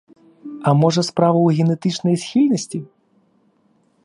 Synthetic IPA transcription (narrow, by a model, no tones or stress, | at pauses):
ɐmɔʐɐspɾavɐwɣʲɛnɛt̪ɨt͡ʂnɐjsʲxʲilʲnɐsʲt͡sʲi